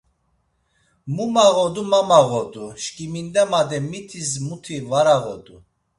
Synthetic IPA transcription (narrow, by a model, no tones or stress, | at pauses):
mumaʁɔd̪umamaʁɔd̪uʃkʼimind̪ɛmad̪ɛmit̪ʰis̬mut̪ʰivaɾaʁɔd̪u